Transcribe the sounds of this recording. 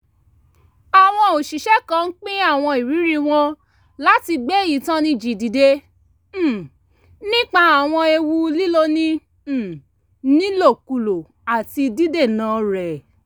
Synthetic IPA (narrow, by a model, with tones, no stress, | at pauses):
a˨w̃ɔ̃˧o˨ʃi˨ʃɛ˦kã˦˧n̩˦k͡pĩ˦a˦˨w̃ɔ̃˧i˨ɾi˨˦ɾi˦w̃ɔ̃˧ | la˦ti˧ɡ͡be˦˨ji˨tã˦nĩ˧d͡ʒi˨di˨de˦˨ | nĩ˦k͡pa˧a˨w̃ɔ̃˧e˧wu˧li˦lo˦nĩ˦˨ | nĩ˦lo˦˨ku˨lo˨ | a˨ti˧di˦de˦˨nãː˨˦ɾɛ˨